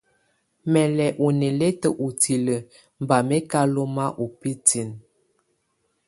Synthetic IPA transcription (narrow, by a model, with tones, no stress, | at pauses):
mɛ˨lɛ˨ʔu˨ne˨le˦tə˨ʔu˨ti˨lə˨ | m˨ba˨me˦ka˦lo˦ma˦ʔu˨pi˦ti˨n